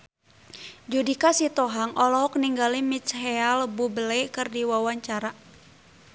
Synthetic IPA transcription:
d͡ʒudikasit̪ɔɦaŋʔɔlɔɦɔk̚niŋɡalimit͡ʃɦɛalbubəlɛkɨrdiwawaɲt͡ʃaɾa

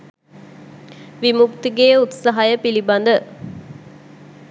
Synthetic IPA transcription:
ʋimukt̪iɡeːut̪sɐɦɐjəpilibɐnd̪ə

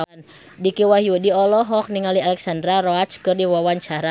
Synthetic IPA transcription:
n | dikiwaɦiudiɔlɔɦɔk̚niŋalialɛksandɾaɾɔat̪t͡ʃkɨrdiwawaɲt͡ʃaɾa

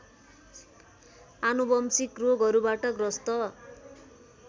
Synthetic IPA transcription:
anubʌmsikroɡʌɾubaʈʌɡrʌst̪ʌ

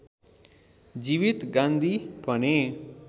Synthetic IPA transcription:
d͡ʒiʋit̪ɡãnd̪ʱipʌne

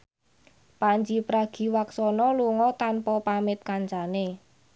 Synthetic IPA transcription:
paɲd͡ʒipɾaɡ̥i̤waksɔnɔluŋɔt̪anpɔpamɪt̪̚kaɲt͡ʃane

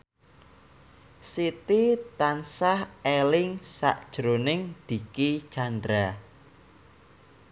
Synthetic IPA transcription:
sit̪it̪ansahelɪŋsa̰ʔd̥ʒ̥ɾonɪŋd̪̥i̤ki̥t͡ʃandɾa

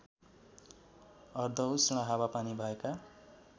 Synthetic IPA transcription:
ʌrd̪ʱʌwsiɽ̃aɦawapanibʱʌeka

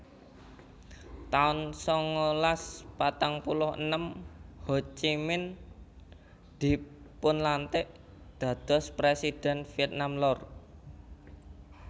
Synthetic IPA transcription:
t̪aʊnsɔŋolaspat̪aŋpulʊhə̰nəmhot͡ʃimɪn | d̪̥i̤ | pʊnlant̪ɪʔ | d̪̥ä̤d̪̥ɔ̤spɾesid̪̥ɛ̤nfiɛt̪̚namlɔr

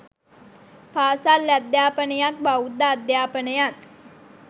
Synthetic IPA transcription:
paːsalːæd̪jaːpənəjak̚baud̪ːaːd̪jaːpənəjat̪

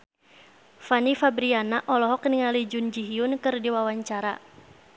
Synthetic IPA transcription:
fanifabɾianaʔɔlɔɦɔkniŋalid͡ʒʊnd͡ʒiɦiʊnkɨrdiwawaɲt͡ʃaɾa

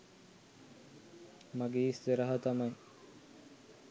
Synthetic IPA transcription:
maɡeːst̪eɾaɦɐt̪amaj

